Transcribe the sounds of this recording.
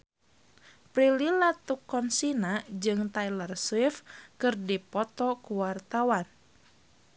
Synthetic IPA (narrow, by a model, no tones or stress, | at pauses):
pɾililat̪ukːɔnsinad͡ʒɨŋt̪ailarsifkɨrdipɔt̪ɔkuwart̪awan